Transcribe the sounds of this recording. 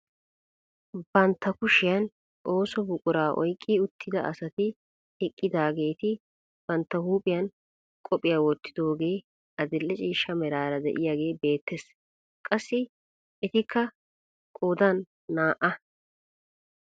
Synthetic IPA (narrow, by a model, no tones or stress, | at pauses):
bɐnt̪ːɐkʊʃɪjɐn | ʔo̞ːsɔbʊkʼʊɾaːʔɔ̰jkʼːiʊt̪ʰːɪd̪ɐʔɐ̰sɐt̪ɪ | hɛkʼːɪd̪aːɡe̞ːt̪ɪ | b̥ɐnt̪ːɐhuːpʼɪjɐn | kʼɔpʼːɪjaːwɔt̪ːɪ̥d̪o̞ːɡeː | ɐd̪ɪlːɛt͡ʃʼiːʃːɐmɛɾaːɾɐd̪ɛ̰ʔɪjaːɡe̞ːbe̞ːt̪ːes | kʼɐsːɪ | ɛt̪ɪkʰːɐ | kʼoːd̪ɐnː | aːʔɐ